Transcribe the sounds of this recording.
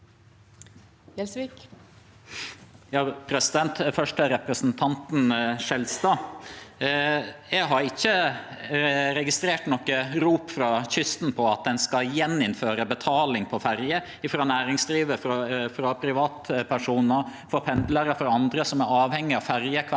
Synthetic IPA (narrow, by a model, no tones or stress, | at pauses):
ɛsik | jɑːpʰɾɛsɪd̪ɛnt̪fœʂʈəɾɛpɾəsnt̪ʰɑnt̪n̩ʂɛlst̪ɑː | jɛɡɦɑɾɪçːə | ɾɛɡɪst̪ɾeːʈnɔkːəɾuːpfɾɑçʏst̪n̩pʰɔɑt̪̚d̪ɛnskɑjɛnːɪnføːɾəbət̪ʰɑːlɪŋpʰɔfæɾjə | ɪfɾɑːnæːɾɪŋsd̪ɾiːʋəffɾɑpʰɾɪʋɑːt̪pʰæʂuːnəɾfɔɾpʰɛnd̪ləɾəfɾɑɑnd̪ɾəsɔmæɾɑːʋhɛŋːɪɑʋfæɾjəkʰ